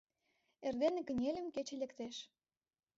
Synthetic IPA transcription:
erd̪enĕkə̆nʲelʲə̆mket͡ɕĕlĕkt̪eʃ

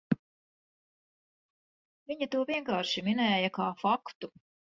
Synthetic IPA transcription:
viɲɐt̪uɔviɛŋkaːɾʃiminɛːjɐkaːfakt̪u

